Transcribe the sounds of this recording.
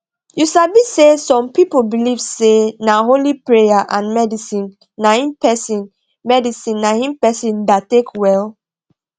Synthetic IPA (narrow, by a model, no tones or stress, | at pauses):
jusabisesɔ̃mpipolbilivsenaɦolipɹejaʔãnmɛdisĩnː | aĩnpɛsĩn | mɛdisĩnːaĩnpɛsĩndatekwɛl